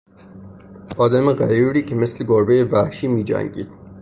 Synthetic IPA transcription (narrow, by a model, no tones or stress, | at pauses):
ɒːd̪æmeɣæjuɾiːkʰemesleɡoɾbejevæhʃiːmiːd͡ʒæ̰ŋɡḭːd̪̥̚